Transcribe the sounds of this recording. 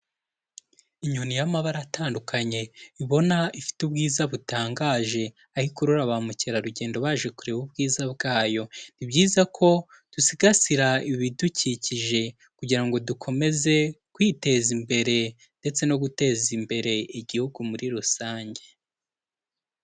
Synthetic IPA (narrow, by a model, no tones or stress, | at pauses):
iɲunijamaβaɾataːndukʰaɲe̞iβo̞naifi̥tubɡiːzaβutaːŋɡaʒe̞ | ahikuɾuɾaβamuceɾaɾuɟe̞ːndo̞βaːʒe̞kuɾeβub̚ɡiːzabɡaːjo̞nibɟiːzakʰo̞ | d̥usiɡasiɾaiβiduciciʒe̞ | kuɟiɾaŋɡo̞dukʰo̞me̞ze̞kwiːte̞zimbe̞ɾe̞ | nde̞t͡se̞no̞ɡute̞ːzimbe̞ɾe̞iɟihuɡumuɾiɾusaːɲɟe̞